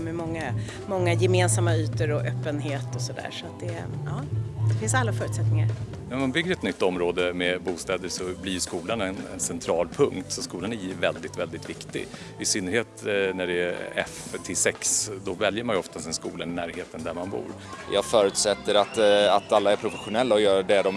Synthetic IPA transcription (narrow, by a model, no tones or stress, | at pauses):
mɛmɔŋːa | mɔŋːajɛmeːnsamːayːt̪əɾɔʔœpːənɦeːt̪ɔsɔd̪æ̰ːɾʂɔat̪̚d̪ɛʔɑːd̪̥ɛfɪnsalːafœːɾʉ̟t̪sɛt̪nɪŋaɾ | nɛmanbʏɡːəɾɛt̪nʏt̪ːɔmɾoːd̪əmɛbuːst̪ɛːd̪əʂɔblɪjɵskuːlanɛnɛ̰nsɛnt̪ʰɾɑːlpʰɵŋkt̪sɔskuːlanæjvɛld̪ɪt̪vɛld̪ɪt̪vɪkt̪ɪ̰ɡ | vɪsʏnːəɾheːt̪næɖɛæɾɛ̰ft̪ʰɪlsɛksd̪ɔvɛljəɾmanjʏɔft̪asɛnskuːlannæːɾheːt̪ənd̪æɾmanbṵːɾ | jɑːɡfœːɾʉt̪sɛt̪ːəɾat̪at̪alːaæɾpʰɾʊfɛɧʊnɛlːaɔjœːɾɖɛd̪ɔm